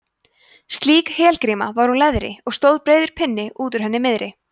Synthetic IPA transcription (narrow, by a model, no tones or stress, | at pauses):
st̪liːkhɛːlkɾiːmavaɾ̥ulɛðɾɪ̰ɔɣst̪owðpɾeːjðʏɾ̥pʰɪnːɪʔuːt̪̬ʏɾ̥ɦɛnːɪmɪðɾɪ